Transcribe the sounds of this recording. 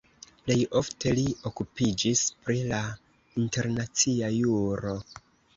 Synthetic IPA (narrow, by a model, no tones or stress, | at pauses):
ple̞jo̞fte̞lio̞kupid͡ʒispɾila | inte̞ɾnat͡siajuɾo̞